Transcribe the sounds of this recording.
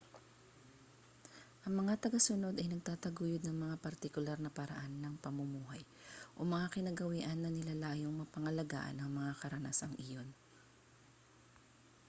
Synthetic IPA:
ʔɐŋmɐŋat̪ɐɡasʊno̞d̪ɐjnɐɡ̚t̪aːt̪ɐɡuːjʊd̪̚nɐŋmɐŋapɐɾt̪ɪkʊlaɾnɐpɐɾɐ̰ʔanːɐŋpɐmʊmuːɦɐj | ʔo̞mɐŋakɪnɐɡɐwiʔɐnːɐnɪlalaːjoŋmɐpɐŋɐlɐɡa̰ːʔɐ̰nɐŋmɐŋakɐɾɐnaːsɐŋʔɪjo̞n

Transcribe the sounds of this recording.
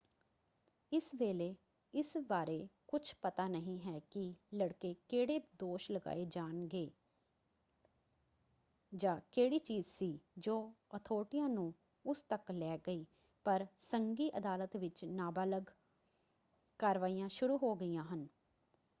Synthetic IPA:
ɪsʋeːleː | ɪsbaːɾeːkʊt͡ʃʰpət̪aːnəɦĩːɦɛːkɪləɽkeːkeːɽeːd̪oːʃləɡa̰ːeːd͡ʒaːnɡeː | d͡ʒãːkeːɽiːt͡ʃiːzsiːd͡ʒoːət̪ʰoːʈɪjãːnũː | ʊst̪əklɛːɡəiː | pəɾsəŋɡiːʔəd̪aːlət̪ʋɪt͡ʃnaːbələɡ | kəɾʋaːijãːʃʊɾuːɦoːɡəijãːɦən

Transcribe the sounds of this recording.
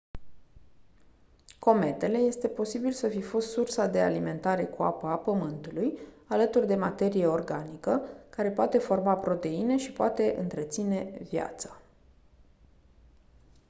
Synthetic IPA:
ko̞me̞t̪e̞le̞je̞st̪e̞po̞sibilsəfifost̪sursad̪e̞a̰lime̞nt̪aɾe̞kua̰pəːpəmɨnt̪uluj | alət̪urd̪e̞mat̪e̞ɾije̞o̞rɡanikəkaɾe̞poat̪e̞fo̞rmapɾo̞t̪e̞ine̞ʃipoat̪e̞ʔɨ̰nt̪ɾe̞t̪sine̞vja̰t̪sḁ

